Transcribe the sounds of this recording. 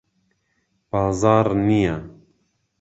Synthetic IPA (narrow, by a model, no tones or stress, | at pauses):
b̥ɑːzɑːɾnija